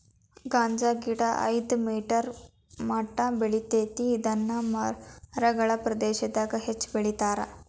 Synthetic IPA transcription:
ɡaːɲd͡ʒaːɡiɽɐʔɐ̰jd̪miːʈɐɾ | mɐʈːɐbeɭit̪eːt̪iːd̪ɐnːɐmɐɾɐɡɐɭɐpɾɐd̪eːʃɐd̪aːɡɐɦet͡ʃːbeɭit̪aːɾɐ

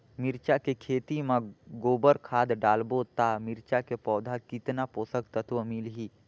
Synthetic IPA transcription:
mɪɾt͡ʃakekʰeːt̪imãɡoːbəɾkʰaːd̪ɖaːlbot̪amɪɾt͡ʃakepɔːd̪ʱakɪt̪napoːsəkt̪ət̪ʋəmilɦiː

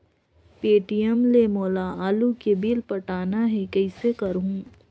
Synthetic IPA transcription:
peːʈijəmlemoːlaaːlukebilpɐʈaːnaɦɛkɐɪsekɐɾɦũː

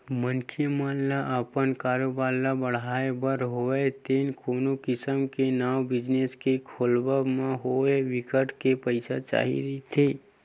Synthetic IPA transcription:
mənkʰemaːlːaʔəpənkaːɾobaːlːabəɽ̤aːebəɾɦoet̪eːnkoːnokɪsəmkenaːwbɪd͡ʒneskekʰoːlbəmãɦoeʋɪkəʈkepəɪsat͡ʃa̰ːɦḭɾit̪ʰeː

